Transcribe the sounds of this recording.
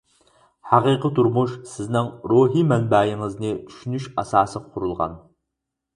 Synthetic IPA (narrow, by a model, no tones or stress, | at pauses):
ħaqiːqət̪ʰʊɾmuʃsɨznɨŋroːɦiːmɛnbaːjɪŋəznitʰʃnɪʃɐ̰saːsɨqʰːʊɾɨlˠʁɑ̰n